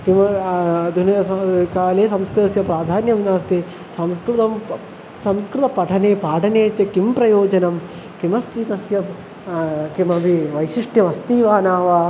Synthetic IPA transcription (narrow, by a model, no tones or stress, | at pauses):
kimɐd̪ʱunɐɐkaːleːsɐmskɾɪt̪ɐsjɐpɾaːd̪ʱaːnjɐʋinaːst̪i | sɐmskɾɪt̪ɐm | sɐmskɾɪt̪ɐpɐʈʰɐneːpaːʈʰɐneːt͡ʃekimpɾɐjoːd͡ʒɐnɐm | kimɐst̪it̪ɐsjɐ | kimɐbiʋɐjʃiʂʈʰjɐʋɐst̪iːʋaːnaːʋaː